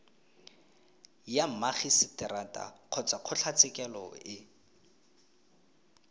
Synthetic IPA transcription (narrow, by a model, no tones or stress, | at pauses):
jam̩maχisɪtɪɾatʼa̰q͡χʰɔt͡saq͡χʰʊɬʰat͡sɪkʼɛlɔ̰ɪ